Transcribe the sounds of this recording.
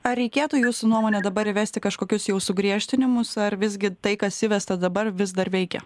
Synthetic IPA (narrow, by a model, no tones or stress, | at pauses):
ɐɾʲɛɪkʲeːt̪uːjuːsʊnuɔmoːnʲɛd̪ɐbɐɾɪʋʲæːst̪ʲɪkɐʃkoːkʲʊsjɛʊsʊɡɾʲiɛʃʲt̪ʲɪnʲɪmʊsɐɾʋʲɪzʲɡʲɪt̪ɐɪkɐsʲɪʋʲɛst̪ɐd̪ɐbɐɾʋʲɪzd̪ɐɾʋʲɛɪkʲɛ̰